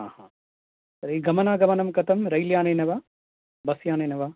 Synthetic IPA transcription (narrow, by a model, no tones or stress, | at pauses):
ɦaːha | sɐɾeɡɐmɐnaːɡɐmɐnɐmkɐt̪ɐmɾɐjljaːneːnɐʋa | bɐsjaːneːnɐʋa